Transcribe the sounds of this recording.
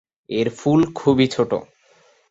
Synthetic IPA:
eɾfulkʰubit͡ɕʰoʈo̰

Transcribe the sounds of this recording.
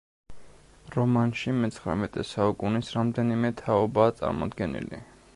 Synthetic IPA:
ɾɔmanʃimɛt̪sʰχɾa̰mɛt̪ʼɛsaukʼunisɾamd̪ɛnimɛt̪ʰaɔbaːt̪sʼa̰ɾmɔ̰d̪ɡɛnḭlḭ

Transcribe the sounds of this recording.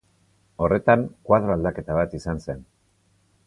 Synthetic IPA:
o̞re̞t̪aŋkwaðɾoald̪ake̞t̪aβat̪isanse̞n

